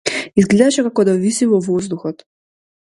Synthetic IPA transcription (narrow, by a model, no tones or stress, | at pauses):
izɡlɛd̪aʃɛkakɔd̪avisivɔvɔzd̪uxɔt̪